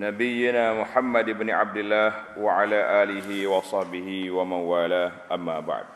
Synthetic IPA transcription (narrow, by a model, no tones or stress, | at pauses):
nabɪjːɪnaːmʊħamːad̪ɪbnɪʕa̰b̚d̪ɪlːaːhwaʕalaːʔaːlɪɦɪwɑsˤɑħbɪhɪwamanwaːlaːʔamːaːba̰ʕd̪